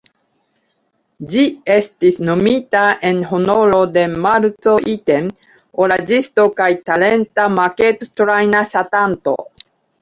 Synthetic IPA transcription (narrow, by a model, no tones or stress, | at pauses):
d͡ʒie̞stisno̞mitae̞nɦo̞no̞ɾo̞de̞maɾt͡so̞ʔiten | oɾad͡ʒisto̞kajtale̞ntamake̞ttɾajnasatanto̞̰